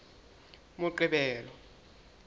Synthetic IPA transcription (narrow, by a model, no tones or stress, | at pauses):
mʊǃiɓɛːlɔ